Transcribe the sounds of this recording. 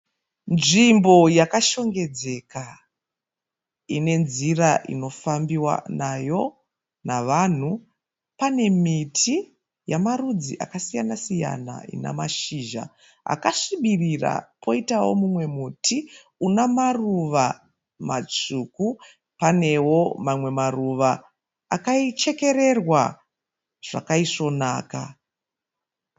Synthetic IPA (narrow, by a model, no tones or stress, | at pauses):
nʐimbo̞jakaʃo̞ŋɡe̞d͡ze̞ka | ine̞nziraʔḭno̞fambiwa̰najo̞ | naʋan̤u | pane̞mitʰi | jamarud͡zḭʔa̰kasijanasija̰na̰ḭna̰maʃiːʒa̰ | a̰kaʂiɓirira̰pʰo̞itawo̞̰mumwe̞mutʰi | unamaruʋa | mat͡ʂuku | pane̞wo̞mamwe̞maruʋaː | kait͡ʃe̞ke̞ɾe̞rwa | ʐ̥a̰kaiʂo̞naːka̰